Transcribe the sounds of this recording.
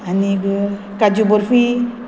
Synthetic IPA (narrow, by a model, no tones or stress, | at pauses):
aniɡə | kad͡ʒuboɾfi